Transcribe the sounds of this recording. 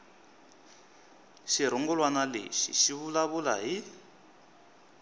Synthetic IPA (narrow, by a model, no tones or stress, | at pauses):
ʃiɾ̤ɔŋɡɔlwanalḛʃḭʃiβulaβula̰ɦi